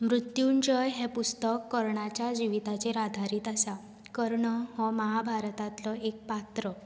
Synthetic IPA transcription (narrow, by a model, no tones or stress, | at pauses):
mɾut̪jund͡ʑəjɦɛpust̪əkːəɾɳat͡ɕjad͡ʑiʋit̪at͡ɕeɾad̪ʱaɾiːt̪asa | kəɾɳəɦɔmaɦabʱaɾt̪at̪lɔek̚pat̪ɾə